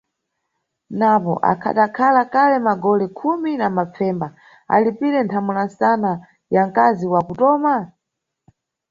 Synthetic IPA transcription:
napɔ̰ʔa̰kʰa̰ɗakʰalakʰalɛmaɡɔlɛkʰuminamap͡fɛːmba | a̰lipiɾɛntʰamulansana | jaŋkaziwakutɔːma

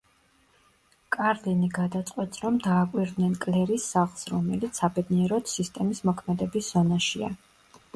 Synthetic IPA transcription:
kʼaɾliniɡad̪at̪sʼqʼwɛt̪ʼsɾɔmd̪aːkʼwiɾd̪nɛnkʼlɛɾisːaχlˠsɾɔmɛlit̪sʰːabɛd̪niɛɾɔd̪sist̪ʼɛmismɔkʰmɛd̪ɛbisz̥ɔnaʃia̰

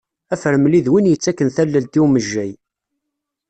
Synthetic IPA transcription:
æfəɾmliðwinjət͡sːækːənθælːəlt̪iwməʒːæj

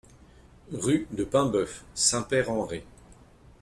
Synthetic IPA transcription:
ʁyd̪əpɛ̃bœfsɛ̃pɛʁɑ̃ʁe

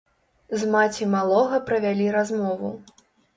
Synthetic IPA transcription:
zmat͡sʲimalˠɔɣɐpɾɐvʲalʲiɾazmɔvu

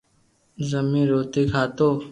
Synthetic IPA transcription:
zəmĩːɾoːt̪iːkʰaːt̪oː

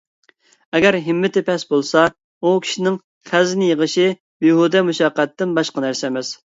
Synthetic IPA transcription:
ɛɡʲɛɾɦɪmːɪt̪ɪpʰɛsbolˠsɑ | ukʲʰi̥ʃinɪŋ | χæzɪnɪjəʁəʃi | biɦud̪ɛmuʃɑqæt̪ːɪnbɑʃqɑnæɾsɛmɪz̥

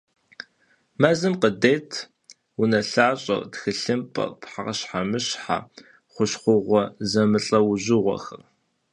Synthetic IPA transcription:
maːzɨmqədeːtʰ | wunɐɬaːɕʼɐ̰rtxɨɬɨmpʼɐ̰rpħaqɐɕħamɨɕħa̰ | χʷʊɕχʷʊʁʷɔzɐmɨɬʼɐwʊʑɪʁʷɔ̰xɐr

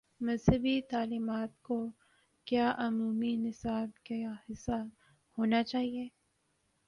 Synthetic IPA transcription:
mɐzɦəbit̪aːliːmaːt̪̚ko | kjaːʔʊmuːminɪsaːb̚khɪsːa | hoːnat͡ʃaːɦieː

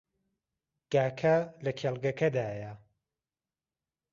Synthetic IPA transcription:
ɡ̥aːkʰɐlɐkʰelˠɡɐkʰɐd̪aːja

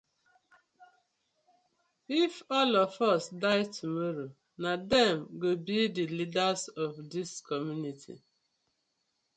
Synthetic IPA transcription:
ifɔlɔfɔsdaɪtʰumɔɾo | nadɛmɡobidilidazɔvdiskɔmjunitʰḭ

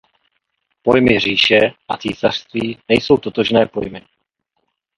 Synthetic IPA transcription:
po̞jmɪɦr̝iːʃɛʔat͡siːsar̥st̪viːnɛjso̞wt̪o̞t̪o̞ʒnɛːpo̞jmɪ

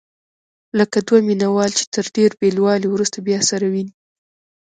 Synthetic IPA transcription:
ləkad̪waminawɑlt͡ʃe̥t̪ʰəɾɖeɾbelwɑlewɾust̪abjɑsaɾawini

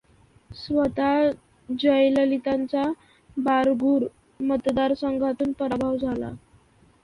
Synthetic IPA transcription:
sʋət̪a | d͡ʑəjləlit̪ant͡sa | baɾɡʱuːɾ | mət̪d̪aɾsəŋɡʱat̪uːnpəɾabʱaʋd͡zʱala̰

